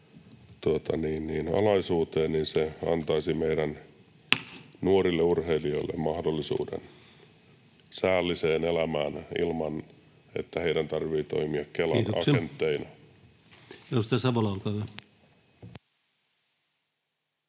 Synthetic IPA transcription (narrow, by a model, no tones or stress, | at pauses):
t̪uot̪ɑniːnniːnɑ̰lɑisuːt̪eːnninseɑ̰nt̪ɑisimeiɾæn | nuoɾilːeurheilioilːḛmmɑhdolːisṵːdḛn | sæːlːiseːnelæmæːnḭlmɑn | ḛt̪ːæheidænt̪ɑrʋiːt̪o̰imiɑkkelɑ̰nɑ̰sent̪ːeinɑ | jost̪æsɑbolɑolkɑːʋæ